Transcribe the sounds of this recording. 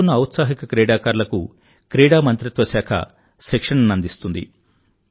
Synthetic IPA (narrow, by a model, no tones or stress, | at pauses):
unːɐɐwt̪saːɦikɐkɾɛːɽaːkaːɾlɐkṵ | kɾɛːɽaːmɐnt̪ɾit̪ʋɐsaːkʰɐ̰ | sekʂɐnɐnɐnd̪ist̪und̪ḭ